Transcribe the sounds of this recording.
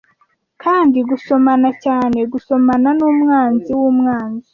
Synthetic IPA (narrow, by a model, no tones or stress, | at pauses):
kʰaːndiɡuso̞manacaːneɡuso̞mananumŋaːnziwumŋaːnzi